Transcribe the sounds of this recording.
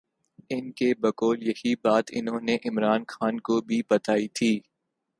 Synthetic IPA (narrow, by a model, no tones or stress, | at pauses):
ɪnkebɐkɔːljɐhibaːt̪ɪ̰nɦõneʔɪmɾaːnxaːnkobʱibɐt̪aːit̪ʰiː